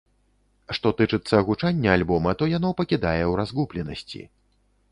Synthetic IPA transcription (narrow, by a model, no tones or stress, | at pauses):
ʂt̪ɔt̪ɨt͡ʂɨt̪sːɐːɣut͡ʂanʲːɐalʲbɔmɐt̪ɔjan̪ɔpɐkʲid̪ajɛwɾazɣuplʲɛnɐsʲt͡sʲḭ